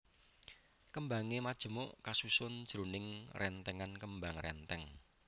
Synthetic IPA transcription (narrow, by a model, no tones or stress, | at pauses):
kəmbaŋemad̥ʒ̥ə̤mʊʔkasusʊnd̥ʒ̥ɾonɪŋrʔɛnt̪ɛŋankəmbaŋrɛnt̪ɛŋ